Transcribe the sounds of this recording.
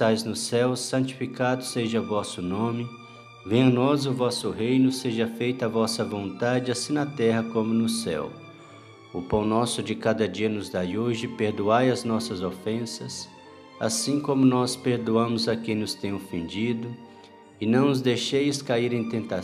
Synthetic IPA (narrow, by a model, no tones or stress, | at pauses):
ajznʊsɛwsɐ̃nt͡ʃi̥fikad̪ʊseʒɐvɔsʊnõmɪ | vẽnɔzʊvɔsʊɦejnʊseʒɐfejt̪avɔsɐvõnt̪ad͡ʒɪasĩnɐt̪ɛɦɐkõmʊnʊsɛ̰w | ʊpɐ̃w̃nɔsʊd͡ʒɪkad̪ɐd͡ʒiɐnʊzd̪ajoʒɪpeɾd̪uajɐznɔsɐzofẽsɐs | a̰sĩkõmʊnɔspeɾd̪uɐ̃mʊzɐkẽj̃nʊst̪ẽj̃ofẽnd͡ʒid̪ʊ | ɪnɐ̃w̃nʊzd̪ejʃejskaiɾẽj̃t̪ẽnt̪a